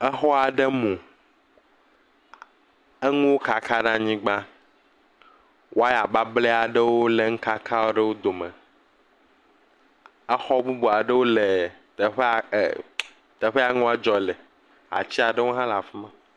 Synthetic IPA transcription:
ɛ˦xɔ˦a˨ɖe˦mũ˨ | e˦ŋũ˦wo˦ka˨ka˦ɖã˦ɲĩ˦ɡ͡ba˦ | wʔo˦a˦ja˨ba˦ble˦a˨ɖe˦wo˦le˨ŋ̩̃˦ka˦kʰa˦wo˦ɖe˦wo˦d̪o˨mɛ̃˨ | ɛ˦xɔ˦bu˦bo˨a˨ɖe˦wo˦le˨ | t̪e˨ɸe˦˨ | t̪ɛ˨ɸe˦a˨ŋũ˦a˦d͡ʒɔ˨le˨ | a̰˨t͡ɕi˦a˨ɖe˦wo˦ɦã˦la˨fu˦mɛ̃˨

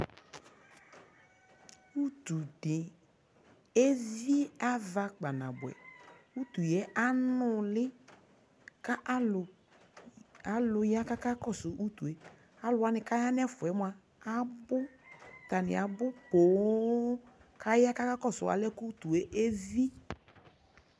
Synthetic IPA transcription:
u˦t̪u˨dɪ˨ | e˦vi˦a˦va˨k͡pa˨na̰˨bʊ˨ɛ̰˨u˦t̪u˨jɛ˨˦ʔa˦nʊ˨lɪ˦ | ka˦ʔʊ˨ | a˨lʊ˨ja˦ka˦ka˦kɔ˦˨sʊ˨ʔu˦t̪u˨e˨ | a˦lʊ˨a˨˦nɪ˨ka˦ja˦n˦ɛ˦fʊ˨ɛ˨˦mʊ˦a˨ | a˦bʊ˦t̪a˨nɪ̰˨a˨bʊ˦po˨˦ | kʰa˦ja˦ka˦ka˦kɔ˦˨sʊ˨a̰˨lɛ˦ku˦t̪u˨e˨ʔe˦vi˦

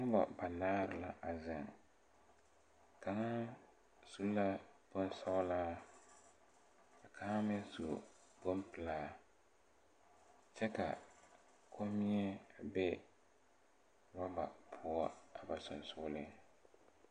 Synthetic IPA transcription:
ŋʊ˦bɔ̰˨ba˨naː˦ɾɨ˨la˦ʔa˨zɪ˨ŋ | ka˨ŋa˦ | su˦la˦bʊ˦n˦sa˦ʊ˦laː˦ | a˨kʰa˨ŋa˦mɪ˦n˦su˨ | bʊ˦m˦pɨ˨laː˦ | t͡ʃɛ˦ka̰˨ | kʰo˦mi˦ɛ˦˨bɛ˦ | wa˦ba̰˨pʰʊ˦ɔ˦a˨ba˨sʊ̰˨nsʊ˦lɪ˦

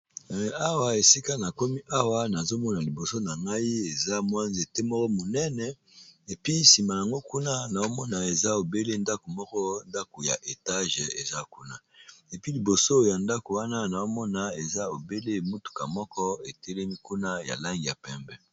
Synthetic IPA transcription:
a˦wa˨e˨si˦ka˦na˨ko˦mi˦ʔa˦wa˦na˨zo˦mɔ˦na˨li˨bo˨so˦na˨ŋɡa˦i˦e˨za˦mwa˦nze˨tɛ˦mɔ˦kɔ˦mo˨nɛ˦nɛ˨ | e˨pi˦si˨ma˨ja˨ŋɡo˦ku˦na˦na˨o˦mɔ˦na˨e˨za˦o˨be˦le˦nda˦ko˨mɔ˦kɔ˦nda˦ko˨ja̰˨ʔe˨ta˦ʒe˨za˦ku˦na˦e˨pi˦li˨bo˨so˦ja˨nda˦ko˨wa˦na˦na˨o˦mɔ˦na˨e˨za˦o˨be˦le˦˨mo˦tu̥˨ka̰˨mɔ˦kɔ˦e˨tɛ˦lɛ˦mi˦ku˦na˦ja̰˨la˦ŋɡi˨ja̰˨pɛ˦mbɛ˨

